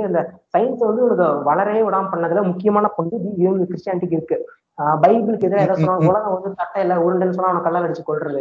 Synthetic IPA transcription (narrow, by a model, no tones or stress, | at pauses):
ɐnd̪ɐsɐɪnsʋɐnd̪ɯɔnɐkːɯʋɐɭɐɾɐjeʊɽaːmpɐɳːɐðɐlɐmʊkːɪjɐmaːnɐpɔɳɖɯɪnd̪ɯkɪɾɪʂʈjaːnɪʈːɪk̬ːɪɾɯkːɯ | bɐɪbɪlɯkːɛðɪlaɛːðaːsɔnːãːʊlɐɣɐ̃ʋɐnd̪ɯt̪ɐʈːɐɪlːɐʊɾɯɳɖɐɛnːɯs̬ɔnːaːʋɐnɐkːɐɭːlːaːɐɽɯt͡ʃːɯkːɔɭɾɐðɯ